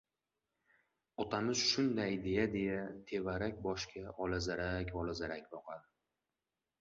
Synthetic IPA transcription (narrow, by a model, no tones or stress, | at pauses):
ɒt̪ʰamɪz̥ʃʊnd̪ajd̪e̞jad̪e̞jat̪ʰe̞vaɾakʲbɒʃkʲʰaʔɒlazaɾakʲɒlˠazaɾakʲbɒqʰɑd̪